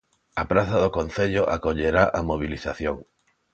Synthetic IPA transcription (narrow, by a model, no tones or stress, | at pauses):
apɾaθaðokõn̟θeʎoʔakoʎeɾaʔamoβ̞iliθaθjoŋ